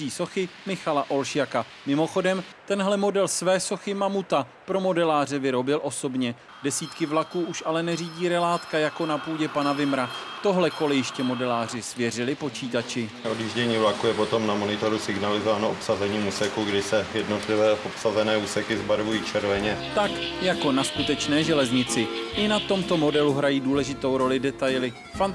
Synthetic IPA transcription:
iːso̞xɪmɪxalaʔo̞lʃjaka | mɪmo̞xo̞dɛmt̪ɛnɦlɛmo̞dɛlsvɛːso̞xɪmamut̪a | pɾo̞mo̞dɛlaːrɛvɪɾo̞bɪlʔo̞so̞bɲɛ | dɛsiːt̪kɪvlakuːʔuʃalɛnɛriːɟiːɾɛlaːt̪kajako̞napuːɟɛpanavɪmɾa | t̪o̞ɦlɛko̞lɪjɪʃcɛmo̞dɛlaːrɪsvjɛrɪlɪpo̞t͡ʃiːt̪at͡ʃɪ | odjiːʒɟɛɲiːvlakujɛpo̞t̪o̞mnamo̞nɪt̪o̞ɾusɪɡnalɪzovaːnoopsazɛɲiːmuːsɛkuɡdɪsɛjɛdnot̪lɪvɛːpopsazɛnɛːuːsɛkɪzbaɾvujiːt͡ʃʰɛɾvɛɲɛt̪akjako̞naskut̪ɛt͡ʃnɛːʒɛlɛzɲɪt͡sɪʔɪnat̪o̞mt̪o̞mo̞dɛluɦɾajiːduːlɛʒɪt̪o̞wɾo̞lɪdɛt̪ajlɪ | fan

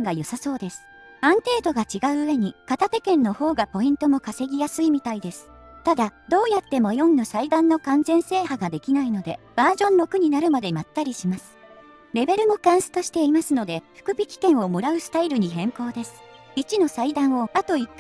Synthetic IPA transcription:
ɡajosaso̞ːd̪e̞sɨ̥ | ãnt̪e̞ːt̪o̞ɡat͡ɕiɡaɯ̟ɯβe̞ɲ̟ikat̪at̪e̞kẽ̞nːo̞ho̞ːɡapo̞ĩnt̪o̞mo̞kase̞ɡʲijasɨimʲit̪aid̪e̞sɨ̥ | t̪ad̪ad̪o̞ːjat̪ːe̞mo̞jõ̞nːasaid̪ãnːo̞kãnzẽ̞ɰ̃se̞ːhaɡad̪e̞kʲinaino̞d̪e̞̰b̥aːʑõ̞nːo̞kɯ̟ɲ̟inaɾɯ̟mad̪e̞mat̪ːaɾʲiɕimasɨ̥ | ɾe̞be̞ɾɯ̟mo̞kãɰ̃sɨ̥t̪o̞ɕi̥t̪e̞imasɨno̞d̪e̞ɸɯ̟̥kɯ̟bʲikʲi̥kẽ̞ɰ̃o̞mo̞ɾaɯ̟sɨ̥t̪aiɾɯ̟ɲ̟iɦẽ̞ŋko̞ːd̪e̞sɨ̥ | it͡ɕino̞said̪ãɰ̃o̞at̪o̞ikː

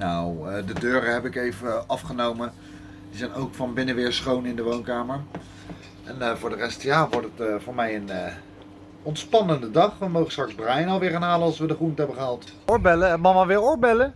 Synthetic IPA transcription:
nawdədøːɾəɦɛpɪkejvəɑfχənowmə | dizɛjnowkfɑnbɪnəʋɪːɹsχownɪndəʋownkaːməɹ | ʔɛnvʊːɹdərɛstjaːʋɔɹtətvʊːɹmɛjən | ɔntspɑnəndədɑχʋəmowχənstrɑkzbrajnɑlˠʋɪːɹaːnɦaːləɑlˠsʋədəχruntəɦɛbəχəɦɑlˠt | ʊɹbɛləmɑmaʋɪːɹʊːɹbɛlə

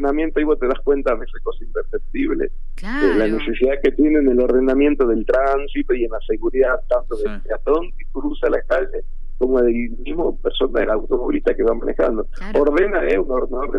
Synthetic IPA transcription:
namjent̪oaiβot̪eðaskwe̞nt̪amesekosaimp̪eɾsep̚t̪iβlḛ | elane̞sesiðake̞t̪je̞nenelo̞ɾð̞e̞namje̞nt̪o̞ðe̞lt̪ɾansit̪oienlase̞ɣuɾiðaðt̪ant̪oðelt̪eat̪o̞ŋkekɾusalaeskaʒe | ko̞moðelmizmopeɾso̞naðelawt̪omoβlit̪akeβama̰nʔexa̰nd̪o | oɾðe̞naeunoɾðenoβe

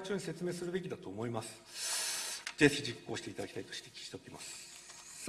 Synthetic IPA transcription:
t͡ɕoɲise̞t͡sɨme̞ːsɨɾɯ̟be̞kʲid̪at̪o̞ːmo̞imasɨ̥ | zeçid͡ʑikːo̞ːɕi̥t̪eit̪ad̪akʲi̥t̪ait̪o̞̥ɕi̥t̪e̞kʲi̥t͡ɕi̥t̪e̞okʲimasɨ̥ | s

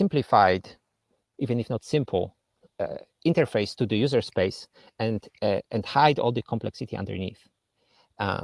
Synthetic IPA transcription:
sɪ̃mplifajd | ivɨ̃nɪfnɔt̪sɪ̃mpʰl̩ˠ | ɪ̃ntəɹfeɪst̪uðɨjuzəɹspeɪs | ɛ̃ndɛ̃ndhaɪdɔ̰lˠd̪əkʰɔ̃mplɛ̰ksit̪ʰiã̰ndə̰ɹniθ

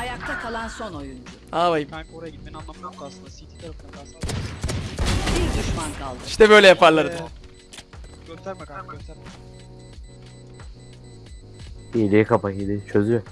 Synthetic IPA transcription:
ajak̚t̪ʰakʰalˠanso̞no̞jund͡ʒʊabajimankoɾjaɟit̪̚mɛnanlˠamɯnamaslˠɯnd̪asit̪ʰi̥t̪ʰaɾafɯnaasas | bild̪uʃmankʰalˠd̪iʃt̪ɛbø̞jlʲɛjapʰaɾlˠaɾɯd̪ | ɟ̥øst̪æɾmek̪aɟøst̪æɾme | ielijɛkʰapaɦid̪ʲit͡ʃʰøzyjo

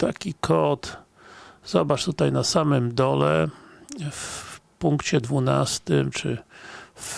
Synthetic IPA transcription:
t̪akʲikʰɔt̪ | zɔbat͡ʂt̪ut̪ajnasamɘmd̪ɔlɛ | fpuŋkt͡ɕɛd̪vuna̰st̪ɘmt͡ʂɘf

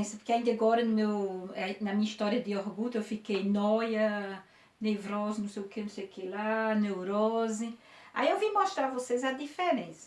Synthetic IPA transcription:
sɐpoɾkeaĩd̪aɡɔɾɐnʊmewnɐmĩɲist̪ɔɾjɐd̪ɪoɾɡut̪ɐewfikejnɔjɐ | nevɾɔzʊnũseʊkenũsejukelanewɾɔzia̰iewvimoʃt̪ɾaɾvosezɐd̪ifeɾẽsɐ̥

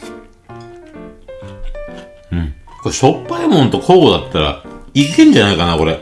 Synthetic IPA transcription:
ɯ̟̃ɴkoɕo̞pːaimõ̞nt̪o̞kʰoːɡod̪at̪ːaɾa̰ikekẽɲ̟d͡ʑanaikanako̞ɾe

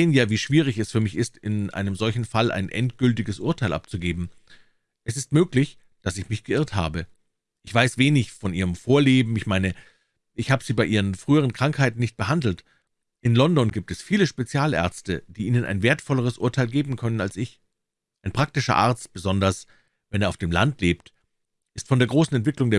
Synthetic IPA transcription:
eːənjaːviːʃv̥iːʁɪçɛsfyːɐmɪçɪstɪnʔa̰ɪnəmzɔlçn̩falʔa̰ɪnʔɛ̰ntɡ̥ʏltɪɡəsʔʊɐtʰaɪlʔa̰p̚t͡suɡeːbm̩ | ʔɛsɪstmøːklɪç | d̥asɪçmɪçɡ̥əʔɪɐtha̰ːbə | ʔɪçv̥aɪsv̥eːnɪçfɔnʔiːʁəmfoːɐleːbm̩ɪçmaɪnə | ʔɪçhaːbəz̥iːbaɪʔiːʁ̞ənfʁ̥yːəʁ̞ənkʁ̥aŋkhaɪtn̩nɪçt̚b̥əhandl̩t | ʔɪnlɔndɔnɡiːp̚tɛsfiːləʃpet͡sjaːlʔɛ̰ɐt͡stəd̥iːʔiːnənʔa̰ɪnveːɐtfɔləʁ̞əsʔʊɐtʰaɪlɡeːbm̩kʰœnəna̰lsɪç | ʔaɪnpʁ̥ak̚tɪʃɐ̰ʔa̰ɐt͡st̚b̥əzɔndɐs | vɛneːɐaʊfd̥eːmla̰ntleːpt | ʔɪstfɔndeːɐɡʁoːsn̩ɛntv̥ɪklʊŋdeːɐ

